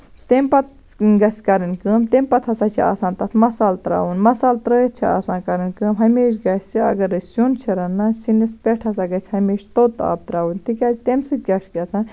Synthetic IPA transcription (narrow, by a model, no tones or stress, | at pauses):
t̪emʲpɐt̪̚ | ɡɐsʲkɐɾɨnkəːmt̪emʲpɐt̪ʰɐsat͡ʃʰia̰ːsãːnt̪ɐt̪ʰmɐsaːlt̪ɾa̰ːʋunmɐsaːlt̪ɾɐt̪̚t͡ʃʰia̰ːsãːnkɐɾɨnkɨmɦɐmeːʃɡɐsʲt͡ʃʰiɐ̰ɡɐɾɐsunt͡ʃʰɐɾɐnːɐsinispʲeʈʰɐs̬aɡɐt͡ʃʰʲhɐmeːʃt̪ot̪a̰ːb̚t̪ɾaːʋunt̪ikʲat͡ʃʰt̪emsɨɡɐʃɡɐt͡sãːn